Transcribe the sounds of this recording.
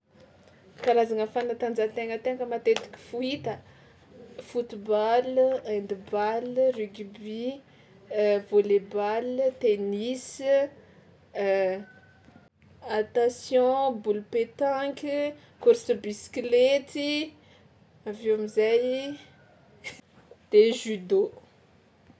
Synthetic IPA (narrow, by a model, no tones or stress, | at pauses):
kalazaŋəfanat̪and͡zat̪eŋət̪ekəmat̪et̪i̥kʲi̥fuit̪ə | fut̪ibaland̪ibalryɡbi | volebalt̪enis | at̪asjɔ̃bulupet̪ãŋkʲi | kuɾsəbisi̥klet̪i | aveamizaj | d̪̥eʒyd̪o